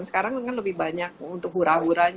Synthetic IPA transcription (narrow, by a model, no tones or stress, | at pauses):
nsə̥kaɾaŋŋanləbɪhbaɲak̚unt̪ʊk̚huɾaɦuɾaɲ